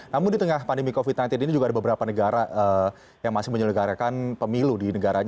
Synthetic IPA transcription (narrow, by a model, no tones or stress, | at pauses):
namʊndit̪əŋahpandəmikofit̪̚nant̪ɪninid͡ʒuɡaːdabəbəɾapanəɡaɾaʔə | jaŋmasɪhməɲələɡaɾakanpəmiludinəɡaɾaɲa